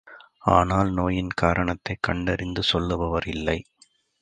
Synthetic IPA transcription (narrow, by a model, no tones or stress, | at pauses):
aːnaːlnoːjɪnkaːɾɐɳɐt̪ːɐɪkːɐɳɖɐɾɪnd̪ɯsɔlːɯʋɐʋɐɾɪlːɐɪ